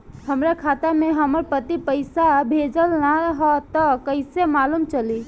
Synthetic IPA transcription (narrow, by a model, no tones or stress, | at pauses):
həmɾakʰat̪ameɦəməɾpət̪ipəɪsabʱed͡ʒəlnaɦɔt̪əkəɪsemalumt͡ʃəli